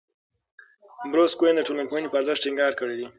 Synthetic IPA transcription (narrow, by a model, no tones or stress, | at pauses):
bɾoskwend̪əʈolanpojənepəaɾzəʃ̚ʈiŋɡɑɾkəɽid̪i